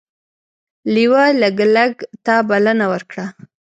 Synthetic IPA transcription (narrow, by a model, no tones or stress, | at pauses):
liwaləɡlaɡt̪ɑbalanawəɾkɽa